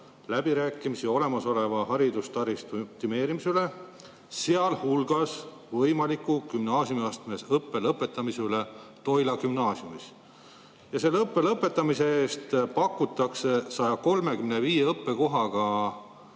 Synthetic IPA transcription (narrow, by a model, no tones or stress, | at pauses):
læb̥iɾæːkˑːimisio̞le̞mɑso̞le̞vɑɦɑɾid̪̥ust̪ɑɾist̪up̚t̪ime̞ːɾimisele̞ | se̞ɑlhulɡ̥ɑs | vɤjmɑlikːˑukymnɑːsjumiɑst̪me̞sɤpːe̞lɤpːˑe̞t̪ːˑɑmisele̞t̪o̞jlɑkymnɑːsjumis | jɑse̞lːɤpːe̞lɤpːˑe̞t̪ːˑɑmise̞eːst̪pɑkːut̪ːˑɑksesɑjɑko̞lme̞kymne̞viːjeɤpːe̞ko̞ɦɑɡ̥ɑ